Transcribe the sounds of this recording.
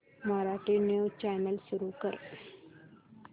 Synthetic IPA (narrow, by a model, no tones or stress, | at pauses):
maɾaʈinut͡ɕanəlsuɾukəɾ